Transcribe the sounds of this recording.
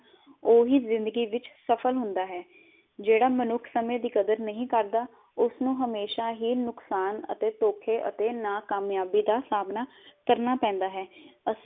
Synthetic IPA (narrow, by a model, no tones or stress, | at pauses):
oːɦiːzɪ̃nd̪əɡiːʋɪt͡ʃsəpʰəlɦʊnd̪aːɦɛː | d͡ʒeːɽaːmənʊkʰsəmẽːd̪iːkəd̪əɾnəɦĩːkəɾd̪aː | ʊsnũːɦəmeːʃaːɦiːnʊksaːnə̰t̪eːt̪oːkʰeːʔə̰t̪eːnaːkaːmjaːbiːd̪aːsaːbnaː | kəɾnaːpɛ̃ːnd̪aːɦɛːəs